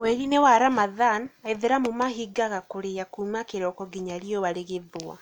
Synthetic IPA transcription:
wɛɾinewaɾamaðanaeðeɾamomahiɡaɣakoɾeakuːmakeɾɔkɔɡiɲaɾiɔβaɾeɣeðoa̰

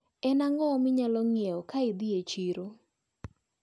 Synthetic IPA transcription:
ɛnaŋɔmɪɲalɔŋjeɔkaɪd̪iet͡ʃiɾo

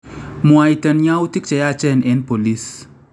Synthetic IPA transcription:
muajt̪ɐnjãut̪ik̚t͡ʃɐjat͡ʃɛnʔenpolis

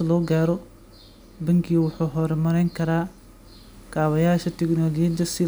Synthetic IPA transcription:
ɐlɔːɡaːɾɔ | bɐŋkʰiːwʊħuːɦɔːɾɛmɐɾɛjŋkʰɐɾaː | kʰaːβɐjaːʃɐt̪ʰɛɡnɔːlːd͡ʒɐsɪ

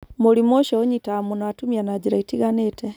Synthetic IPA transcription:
moɾimoʃɔoɲitamunaatumianad͡ʑiɾaitiɣanetɛ

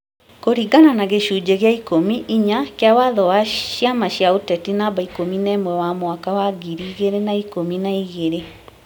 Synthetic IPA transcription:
koɾiɡananaɣeɕuːd͡ʑeɣeaikomiʔiɲakeawaðɔwaɕjamaɕjaotɛtinaβaikominɛmwɛwamowakawaɡiɾiɣeɾenaikominaiɣeɾe

